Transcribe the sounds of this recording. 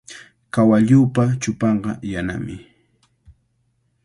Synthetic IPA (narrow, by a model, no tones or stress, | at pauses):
kawaʎuːpat͡ʃʊpɑɴɢɑjana̰mɪ